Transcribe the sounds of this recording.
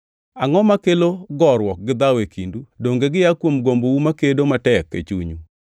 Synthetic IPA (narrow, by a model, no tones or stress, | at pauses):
aŋɔmakeloɡɔɾwɔk̚ɡɪd̪awekʰindudoŋɡeɡɪjakwomɡombowumakedomatɛkːḛt͡ʃṵɲu